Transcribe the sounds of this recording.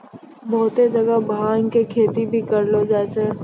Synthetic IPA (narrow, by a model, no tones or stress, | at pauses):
bɔːt̪ed͡ʒɐɡabʱãːŋkekʰeːt̪ibʱikəɾlod͡ʒaːt͡ʃeː